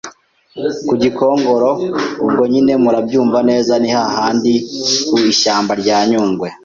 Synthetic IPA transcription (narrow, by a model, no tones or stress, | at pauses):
kuɟikʰo̞ːŋɡo̞ɾo̞ub̚ɡo̞ɲine̞muɾabɟuːɱvane̞ːzanihahaːndikuiʃaːmbaɾɟaːɲuːŋɡwe̞